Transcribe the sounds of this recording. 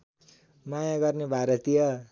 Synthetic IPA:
majaɡʌrnebʱaɾʌt̪ijʌ

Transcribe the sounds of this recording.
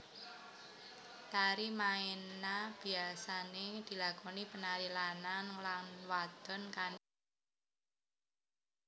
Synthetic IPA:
t̪aɾimaenab̥i̤asaned̪̥i̤lakɔnipənaɾilananlanwad̪̥ɔ̤nkan

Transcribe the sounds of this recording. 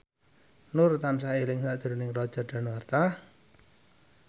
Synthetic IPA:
nʊrt̪amsaelɪŋsaʔd̥ʒ̥əɾunɪŋrɔd̥ʒ̥a̤rɖ̥a̤nwart̪a

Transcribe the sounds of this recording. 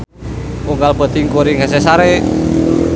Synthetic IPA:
uŋɡalb̥ə̤t̪iŋkoɾiŋhes̬ɛsaɾe

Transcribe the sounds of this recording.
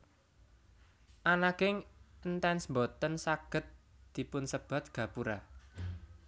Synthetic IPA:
ʔanakɪŋənt̪ɛnsmbot̪ənsaɡ̥ə̤t̪̚d̪̥i̤pʊnsəb̥ä̤t̪̚ɡ̥ä̤puɾa

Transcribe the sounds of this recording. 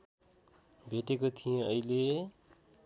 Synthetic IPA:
bʱeʈekot̪ʰijẽʌile

